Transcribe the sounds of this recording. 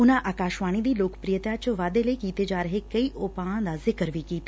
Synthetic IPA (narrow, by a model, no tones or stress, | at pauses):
ʊnãːʔaːkaːʃʋaːɽ̃iːd̪iːloːkə̥pɾijət̪jaːt͡ʃəʋaːd̪eləiːkiːt̪eːd͡ʒaːɾəɦeːkəiːʔoːpãːãːd̪aːzɪkəɾʋiːkiːt̪aː